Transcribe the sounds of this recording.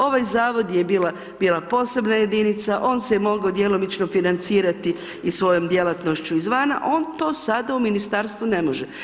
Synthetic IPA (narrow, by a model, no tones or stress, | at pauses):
o̞ʋajzaːʋo̞d̪jebiːlˠa | biːlˠapo̞ːse̞bnaje̞d̪init̪saʔo̞ːnsejmo̞ɡaod̪jelˠo̞mit͡ʃno̞finant̪siːɾat̪i | isʋo̞jomd̪je̞lˠat̪no̞ʃt͡ɕuizʋana̰ʔo̞ːnt̪o̞ːsad̪auminist̪aːɾst̪ʋune̞mo̞ʒe